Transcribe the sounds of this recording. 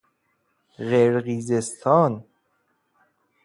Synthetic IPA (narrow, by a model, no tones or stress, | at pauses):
ɣeɾɣizest̪ʰɔːn